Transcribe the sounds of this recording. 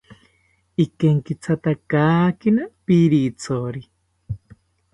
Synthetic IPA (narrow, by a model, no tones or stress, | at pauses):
ikeŋkit͡sʰat̪akaːkinapiɾit͡sʰoɾi